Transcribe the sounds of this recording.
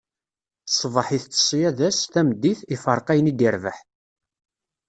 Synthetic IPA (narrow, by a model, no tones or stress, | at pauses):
sˤvˤəħiθt͡sːə̥sˤːjæðæsθæmd̪ːiθifəɾˤqæjənid̪iɾvəħ